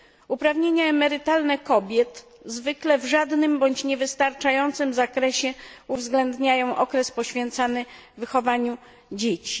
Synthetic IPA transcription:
upɾavɲeɲaɛmɛɾɘt̪alnɛkɔbʲjɛt̪ | zvɘklɛvʐad̪nɘmbɔɲt͡ɕɲɛvɘst̪aɾt͡ʂajɔnt̪sɘmzakɾɛɕɛuvzɡlɛnd̪ɲajɔ̃w̃ʔɔkɾɛspɔɕfʲjɛnt̪sanɘː | ɘxɔvaɲu | d͡ʑet͡ɕi̥

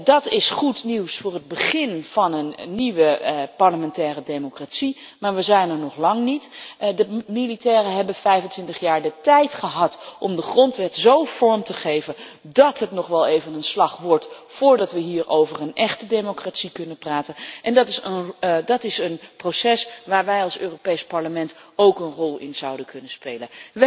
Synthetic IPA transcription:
dɑtɪsχutniwsfʊːrəd̚bəχɪnv̥ɑnənːiʋəpɑɹləmɛntɛːrədejmokratsi | maːɹʋəzɛjnɛɹnɔχlɑŋnitdəmilitɛːrəɦɛbənfɛjvəntʋɪntəχjaːɹdətɛjtχəɦɑtʔɔmdəχrɔntʋɛtzowv̥ɔɹmtəχejvən | dɑtɦətnɔχʋɛlˠejvənənslɑχʋɔɹt | fʊːɹdɑtʋəɦiːɹowvərənʔɛχtədejmokratsikɵnənpraːtənʔɛndɑtɪsədɑtɪsənprosɛsʋaːɹʋɛjɑlˠsøːropejspɑɹləmɛntowkənrɔlˠɪ̰nz̥ɑwdənkɵnənspejlən

